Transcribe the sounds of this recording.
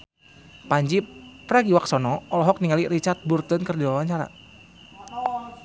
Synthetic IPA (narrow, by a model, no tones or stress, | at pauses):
paɲd͡ʒipɾaɡiwak̚sɔnɔɔlɔɦɔk̚niŋalirit͡ʃart̪̚burt̪ənkərdiwawaɲt͡ʃaɾa̰